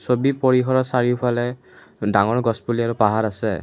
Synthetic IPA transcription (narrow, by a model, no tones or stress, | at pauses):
sobipoɹiɦɔɹɔsaɹiʊpʰalɛ | daŋɔɹɡɔspuliaɹupaɦaɹasɛ̰